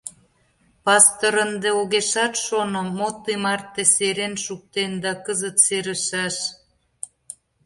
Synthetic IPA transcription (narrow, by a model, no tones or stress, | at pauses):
pɑst̪oɾənd̪eoɣeʃɑt̪ʃonŏmot̪ːemɑrt̪ːeseɾenʃuk̚t̪end̪ɑkəzət̪seɾə̆ʃɑʃ